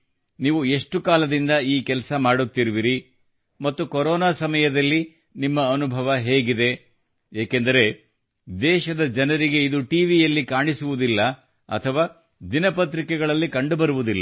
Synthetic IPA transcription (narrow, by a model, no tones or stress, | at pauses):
niːʋue̞ʂʈukaːlɐd̪ind̪ɐiːkɛlɐsɐmaːɽut̪ːiɾuʋiɾi | mɐt̪ːukoɾɔːnaːsɐmɐjɐd̪ɐlːi | nimːɐːnubʱɐʋɐɦeːɡid̪e̞ | eːkend̪ɐɾe̞ | d̪ɛːʃɐd̪ɐd͡ʒɐnɐɾiɡe̞id̪uʈiːʋijɐlːikaːɳisuʋud̪ilːɐ | ɐ̰t̪ʰɐʋaː | d̪inɐpɐt̪ɾikɛɡɐɭɐlːikɐɳɖubɐɾuʋud̪ilːɐ